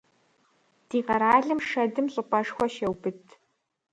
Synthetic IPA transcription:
d̥iːʁɐɾaːɮɨmʂɐdɨmɕʼɨpʼɐʂxʷɔʃɐwbɨtʰ

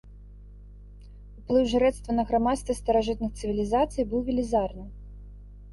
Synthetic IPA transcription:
uplˠɨwʐɨɾɛt̪st̪vɐnɐɣɾamat̪st̪vɐst̪ɐɾaʐɨt̪̚nɨxt̪sɨvʲilʲizat̪sɨjbɨwvʲilʲizarnɨ

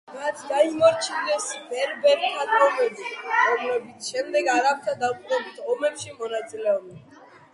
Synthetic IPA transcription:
mat̪sʰd̪aimɔɾt͡ʃʰinɛsivɛɾbɛɾiad̪ɔmɛbiɾɔmlɛbit̪sʰʃɛmd̪ɛɡaɾap̚t̪ʰad̪apʼqʼɔbit̪ʰɔmɛpʃimɔnat̪sʼilɛɔb̪ɛn

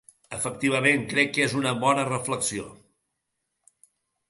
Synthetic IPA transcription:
əfək̚t̪iβ̞əmeŋkɾɛkːezunəβɔnərəfləksio

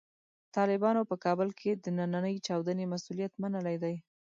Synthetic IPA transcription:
t̪ɑlɪbɑnopəkɑbəlkʰed̪ənananəjt͡ʃɑwd̪ənemasulijat̪manəlajd̪aj

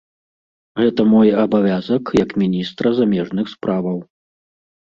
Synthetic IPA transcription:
ɣɛt̪ɐmɔjabavʲazɐkjɐkmʲinʲist̪ɾɐzamʲɛʐnɨxspɾavɐw

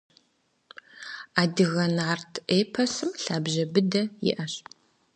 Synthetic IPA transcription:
aːdɨɣɐnaːrtʰʔeːpʰɐsɨmɬaːbʑɐbɨdɐjɪ̰ʔɐɕ

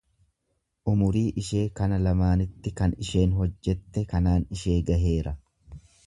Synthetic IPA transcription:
ʔʊmʊɾiːʔɪʃe̞ːkɐnɐlɐmaːnɪt̪ːɪkɐnɪʃe̞ːnɦɔd͡ʒːɛt̪ːɛkɐnaːnɪʃe̞ːɡɐɦe̞ːɾɐ

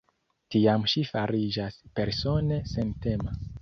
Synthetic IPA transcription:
tiamʃifaɾid͡ʒaspe̞ɾso̞ne̞sente̞ma

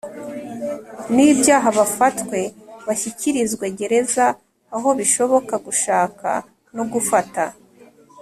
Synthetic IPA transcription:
nibjaːɦaβafatkwe̞βaçiciɾizɡweɟe̞ɾe̞zaː | ɦo̞βiʃo̞βo̞kaɡuʃaːka̰ | no̞ɡufata

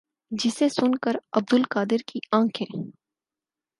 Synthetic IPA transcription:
d͡ʒɪsesʊnkəɾɐb̚d̪ʊlkaːd̪ɪɾkiãːkʰɦɛ̃ː

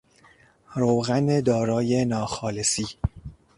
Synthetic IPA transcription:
ɾowɣæned̪ɒːɾɒːje̞nɒːxɒːlesiː

